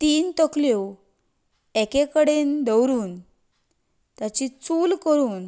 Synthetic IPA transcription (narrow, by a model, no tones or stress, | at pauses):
t̪iːnt̪əkljo | ɛkekəɽend̪əwɾuːn | t̪jat͡ɕit͡sulkəɾuːn